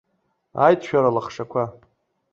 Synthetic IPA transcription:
a̰jtʰʃᶣaɾalaχʂakʷʰa

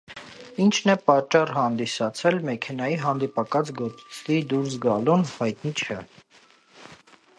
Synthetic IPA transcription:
int͡ʃʰnɛpɑt͡ʃːɑrhɑnd̪isɑt͡sʰɛlmɛkʰɛnɑjiɦɑnd̪ipɑkɑt͡sɡɔt̪t͡sʰlid̪uɾsɡɑlunhɑjt̪̚nit͡ʃʰɛ

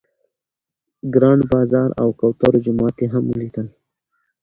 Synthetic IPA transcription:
ɡɾɑnbɑːzɑːɾa̰wkawt̪aɾod͡ʒʊmɑt̪eɦamulit̪əl

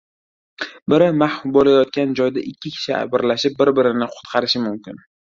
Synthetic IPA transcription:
bɪɾɪmahbɒlajɒt̪̚kʲand͡ʒɒjd̪aʔɪkʲːɪkʲʰɪ̥ʃʰɪa̰bɪɾlaʃɪp̚bːɪɾbɪɾɪnɪqʰʊ̥t̪qʰɑɾɪʃɪmʊmkʲɪn

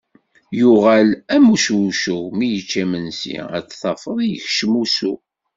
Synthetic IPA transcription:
jʊʁælæmuʃuʃumijət͡ʃːæmənsḭæ̰t͡sːθɑfəðˤijəçʃəmusu

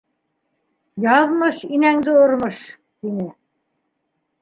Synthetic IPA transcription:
jɑðmɤʃinæŋd̪ɘŏɾmɤʃ | t̪inɘ

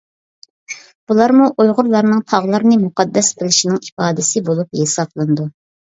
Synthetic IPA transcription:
b̥ulˠɑɾmuʔojʁʊɾlˠɑɾnɨŋt̪ʰɑʁlˠɑɾnɨmuqɑd̪ːɛsbɪlɪʃinɪŋipɑːd̪ɪsɪbolˠupjesɑplˠɨnd̪u

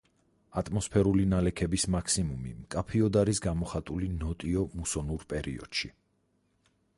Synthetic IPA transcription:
at̪ʼmɔspʰɛɾulinalɛkʰɛbismakʰsimumḭmkʼapʰiɔd̪aɾisɡamɔχat̪ʼulinɔt̪ʼiɔmusɔnuɾpʼɛɾḭɔ̰d̪̥ʃi

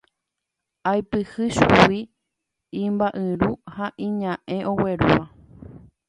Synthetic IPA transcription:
ajpɨhɨʃuwi | ĩmbaʔɨ̃ɾuhaʔĩɲãʔẽ̞ʔõ̞weɾua

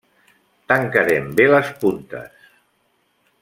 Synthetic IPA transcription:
t̪aŋkaɾembeləspunt̪ə̰s

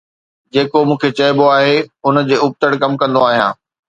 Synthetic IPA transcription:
d͡ʑeːkomũːkʰet͡ɕɐɪboaːɦeʊnd͡ʑeːʊp̚t̪əɽkɐmkɐ̃nd̪oaːɦijã̰ː

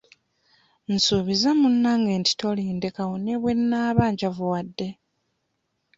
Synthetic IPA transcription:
n̩suːβizamunːaŋɡeːnti̥to̞liːnde̞kawone̞βwe̞nːaːβaːɲɟavuwadːe̞

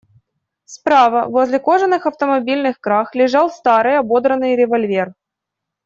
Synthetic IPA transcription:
spɾavəvo̞zʲlʲɪko̞ʐənːɨxɐft̪əmɐbʲilʲnɨxkɾaxlʲɪʐɑlˠst̪aɾɨjɐbo̞d̪ɾənːɨjɾʲɪvɐlʲvʲe̞r

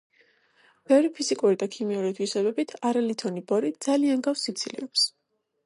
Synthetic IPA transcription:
b̥ɛvɾipʰizikʼuɾid̪akʰimiuɾit̪ʰwisɛbɛbit̪ʰaɾalit̪ʰɔnibɔɾid̪z̥alianɡafsːit̪sʰilḭvɛps

